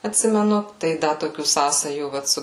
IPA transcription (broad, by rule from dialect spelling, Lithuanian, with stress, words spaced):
ɐtʲˈsʲɪmʲɛnʊ tɐɪ ˈdɐ toːˈkʲuː ˈsɑːsɐjuː ˈʋɐt sʊ